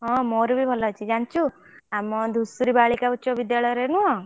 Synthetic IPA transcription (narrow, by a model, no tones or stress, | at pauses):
ɦɔ̃moɾubʱibʱɔlɔt͡ʃʰid͡ʒant͡ʃʰu | amɔd̪ʱusuɾibaɭikauːt͡ʃʰɔbid̪jaɭɔjɔɾenuɦɔ̃